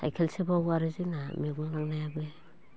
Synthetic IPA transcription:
a̰jkʰelsebaɡuaɾizinamiɡuŋlaŋnajabe

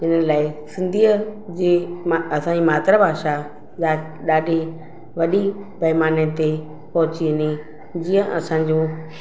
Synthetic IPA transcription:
ɦɪnəlaːɪsɪ̃nd̪ʱiːəd͡ʑeːmɐsãd͡ʑimaːt̪ɾabʱaːʃa | a | ɗaːɖʱe | ʋɐɗi | bʱɐɦmaːnet̪e | pɐɦʊt͡ɕiɪni | d͡ʑiə̃ʔɐsãɲd͡ʑoː

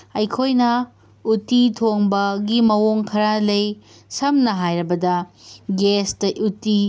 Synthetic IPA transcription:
ɐjkʰojnɐ | utitʰoŋbɐɡimɐwoŋkʰɐɾalɐj | sɐmnɐɦajɾɐbɐdɐɡestɐʔuti

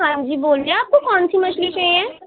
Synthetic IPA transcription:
ɦãːd͡ʒiːboːliaaːp̚kokɔːnsimɐʃliʃɐjɛ̃ː

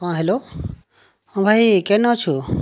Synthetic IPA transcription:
ãːɦeːlo | õbʱaikenõt͡ʃʰu

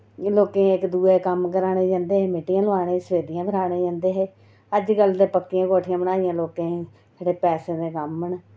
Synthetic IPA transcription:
loːkẽːɪkd̪uːeːkəmkəɾaːɽeːd͡ʒãːnd̪eːɦeːmeʈːɪjãːlʋaːɽẽːsəʋeːd̪ɪjãːkəɾaːɽ̃eːd͡ʒãːnd̪eːɦeː | əd͡ʒɡəld̪eːpəkːijãːkoːʈʰɪjãːbəɽaːɪjãːloːkẽː | d͡ʒeːɽeːpɛːsẽːd̪eːkəmən

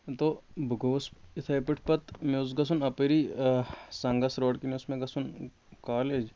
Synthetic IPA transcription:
t̪oːbʱɡoːsɪt̪ʰɐjpɪʈʰpɐt̪meʊs̬ɡɐs̬unɐpeɾiː | sɐŋɡɐsɾoːɽkineʊsmẽɡɐsun | kaːleːd͡ʒ

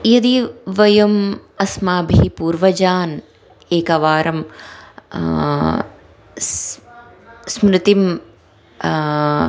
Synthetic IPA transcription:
jɐd̪iʋɐjɐmɐsmaːbʱiipuːɾʋɐd͡ʒaːn | eːkɐʋaːɾɐm | smɾɪt̪im

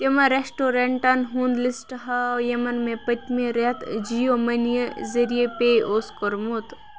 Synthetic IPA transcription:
t̪emɐɾesʈoɾeɳʈɐnɦund̪lisʈɦɐjɐmɐnmẽpɐt̪ʲmẽɾet̪d͡ʒijomɐnijezɐɾijepeʔoːskoɾmot̪

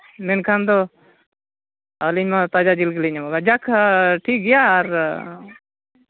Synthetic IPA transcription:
mɛnkʰand̪o | aliɲmãt̪ad͡ʒad͡ʒilɡliɲamaɡad͡ʒakʰʈʰiːk̚ɡɛjaːɾ

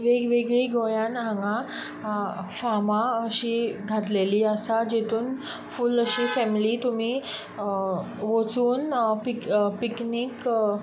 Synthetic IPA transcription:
ʋeɡʋeɡɭiːɡojãnɦãŋɡã | famãəɕiːɡʱat̪leliːəsad͡ʑet̪ʰuːn | fuːləɕiːfɛmiliːt̪um̤iː | ʋot͡suːnpikpikniːk

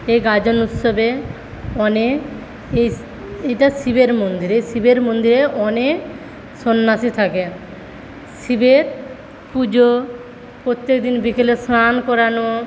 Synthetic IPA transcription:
ejɡad͡ʑonut̪ʃobe | ɔne | ej | ejʈaʃibeɾmond̪iɾesibeɾmond̪iɾeʔɔne | sonːasit̪ʰake | ʃibeɾ | pud͡ʑo | pɾot̪ːekd̪inbikelesɾankɔɾano

